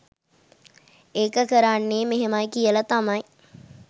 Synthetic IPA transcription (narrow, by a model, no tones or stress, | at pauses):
eːkəkəɾanːeːmeɦemajkijəlɐt̪amɐj